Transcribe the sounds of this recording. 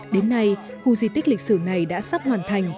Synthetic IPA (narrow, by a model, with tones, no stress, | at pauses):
ɗe˨˦nːa˧j | xu˧zi˧˩t̪i˦˥k̟̚lï˨˩k̚sɨ˧˩na˨˩jɗa̰ː˧˥sa˦˥p̚hwaː˨˩nt̪ʰa˨˩jŋ̟